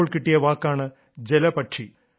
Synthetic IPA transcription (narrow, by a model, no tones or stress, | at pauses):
ɭkiʈːijɐʋaːkːaːɳɨ | d͡ʑelɐpɐʈʂi